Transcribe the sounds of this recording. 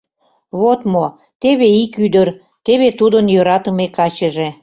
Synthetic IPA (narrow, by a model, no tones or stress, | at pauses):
βot̪mo | t̪eβeikyd̪ər | t̪eβet̪ud̪ənjøɾɑt̪ə̆mekɑt͡ɕəʒe